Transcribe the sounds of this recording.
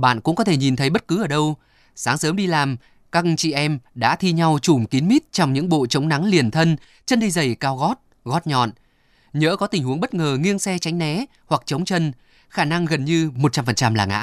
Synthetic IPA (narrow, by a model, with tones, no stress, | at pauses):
ɓa̰ː˧˨nkʊ̰˧˥ŋ͡mkɔ˨˦t̪ʰe˧˩ɲi˨˩nt̪ʰə˨˦jɓə˦˥t̚kɨ˨˦ʔəː˧˩ɗə˧w | saː˨˦ŋsəː˨˦mɗi˧laː˨˩m | ka˧kt͡ɕḭ˧˨ʔɛ˧mɗa̰ː˧˥t̪ʰi˧ɲa˧wt͡ɕu˧˩mki˨˦nmi˦˥t̚t͡ɕɔ˧wŋ͡mɲɨ̰˧˥ŋɓo̰˧˨t͡ɕə˨˦wŋ͡mna˨˦ŋli˨˩ənt̪ʰə˧n | t͡ɕə˧nɗi˧zə˨˩jkaː˧wɣɔ˦˥t̚ | ɣɔ˦˥t̚ɲɔ̰˧˨n | ɲə̰ː˧˥kɔ˨˦t̪ï˨˩ŋ̟hu˨˦əŋɓə˦˥t̚ŋəː˨˩ŋi˧əŋsɛ˧t͡ɕa˨˦jŋ̟nɛ˨˦ | hwa˨˩k̚t͡ɕə˨˦wŋ͡mt͡ɕə˧n | xaː˧˩na˧ŋɣə˨˩nɲɨ˧mo˨˩t̚t͡ɕa˧mfə˨˩nt͡ɕa˧mlaː˨˩ŋa̰ː˧˥